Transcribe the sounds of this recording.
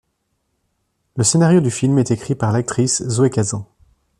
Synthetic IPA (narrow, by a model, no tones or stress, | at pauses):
ləsenaʁjod̪yfilmɛt̪ekχipaʁlak̚t̪χiszoɛkazɑ̃